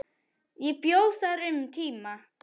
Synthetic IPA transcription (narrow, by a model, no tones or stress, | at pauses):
ipjowsaɾɪmtʰima